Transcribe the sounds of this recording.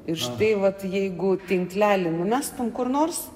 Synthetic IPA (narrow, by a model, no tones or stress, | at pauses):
ɪɾʃt̪ɐɪʋɐt̪jɛɪɡʊt̪ʲɪŋklʲæːlʲɪnʊmʲæːst̪ʊmkʊrnoːrs